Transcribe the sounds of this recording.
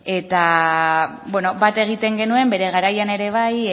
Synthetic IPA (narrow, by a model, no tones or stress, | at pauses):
e̞t̪a | bwe̞no̞bat̪e̞ɣ̞it̪e̞ŋɡe̞nue̞mbe̞ɾe̞ɣ̞aɾajane̞ɾe̞β̞aj